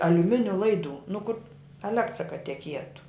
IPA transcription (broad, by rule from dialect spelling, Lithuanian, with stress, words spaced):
ɐlʲʊˈmʲɪnʲʊ ˈlˠɐɪdʊ nʊ kʊr ɐˈlʲæːktrɐ kɐ tʲɛˈkʲiɛtʊ